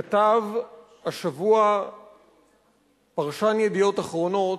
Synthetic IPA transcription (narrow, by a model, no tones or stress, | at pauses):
at̪av | haʃavua | paʁʃanjed̪ijo̞taχʁo̞no̞